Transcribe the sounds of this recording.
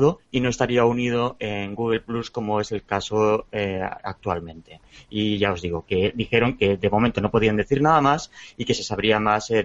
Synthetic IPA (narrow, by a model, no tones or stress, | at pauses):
ðoino̞e̞st̪aɾiaunið̞o̞e̞ŋɡuɣe̞lplusko̞mo̞e̞se̞lkasoea̰k̚t̪ualmẽ̞nt̪e̞iʝao̞zðiɣ̞o̞ke̞d̪ixe̞ɾo̞ŋke̞ðe̞mo̞ment̪o̞no̞po̞ðiand̪e̞θiɾnaðamasike̞se̞saβ̞ɾiamase